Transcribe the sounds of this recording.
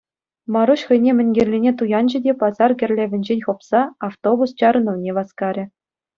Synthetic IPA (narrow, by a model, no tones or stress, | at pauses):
mɑɾuɕχɤ̆jnʲemʲɘ̆nʲɡʲerʲlʲenʲet̪ujɑnʑɘ̆dʲepɑzɑrɡʲɘ̆rʲlʲeʋʲɘ̆nʲd͡ʑenʲχŏpsɑɑft̪obust͡ɕɑɾɤ̆nɤ̆ʋnʲeʋɑskɑɾʲɘ̆